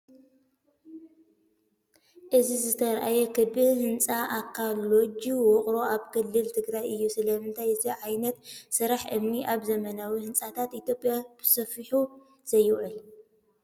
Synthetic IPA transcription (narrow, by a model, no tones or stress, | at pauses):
ʔɨzizɨt̪ʰɐɾʔajɛkʰɨbɨhɨnt͡sʼaʔakʰːalːo̞d͡ʒiwɔχʼɾo̞aβkʰɨlːɨlt̪ʰɨɡɾajʔɨjːusɨlɐmɨnt̪ʰajɨt̪ʰiʕajnɐt̪sɨɾaħʔɨmniʔaβzɐmɐnawihɨnt͡sʼat̪ʰat̪it̪jo̞pʼjab̥ɨsɐfiħu | z̥ɐjːɨwʕɨl